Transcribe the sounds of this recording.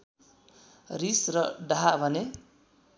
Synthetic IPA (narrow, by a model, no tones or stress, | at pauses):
risrʌɖaɦabʱʌne